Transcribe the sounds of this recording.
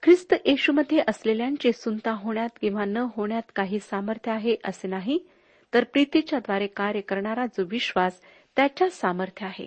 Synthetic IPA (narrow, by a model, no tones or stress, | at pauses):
kʰɾist̪əjeɕuməd̪ʱːjeʔəsleljaɲt͡ɕesunt̪aɦoɳjat̪kĩw̃ʋanəɦoɳjat̪kaɦiːsaməɾt̪ʰjəaɦeʔəsenaɦi | t̪əɾpɾit̪it͡ɕjad̪ʋaɾekaɾjəkəɾɳaɾad͡zoʋiɕʋas | t̪jat͡ɕjasaməɾt̪ʰjəaɦḛ